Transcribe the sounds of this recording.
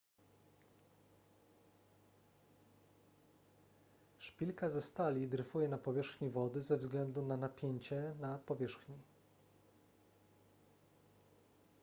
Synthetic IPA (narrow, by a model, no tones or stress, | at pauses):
ʂpʲilkazɛst̪alʲid̪ɾɘfujɛnapɔvʲjɛʂxɲivɔd̪ɘzɛvzɡlɛnd̪unanapʲjeɲt͡ɕɛnapɔvʲjɛʂxɲi